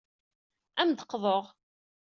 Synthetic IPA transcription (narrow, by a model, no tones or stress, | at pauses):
æmd̪əqːðˤoʁ